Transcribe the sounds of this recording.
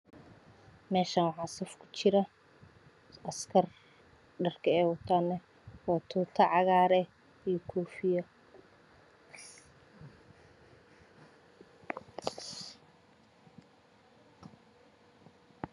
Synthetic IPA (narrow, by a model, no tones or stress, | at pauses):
mɛːʃɐnwɑħɑːsɐfkʰʊ̥t͡ʃɪɾɐ | ɐskʰɐr | ɖɐrkʰɐɛːwɐt̪ʰaːnːɛ | wɑːt̪ʰuːt̪ʰɐʕɑɣaːɾɛ | ijɔkʰuːfɪjɐ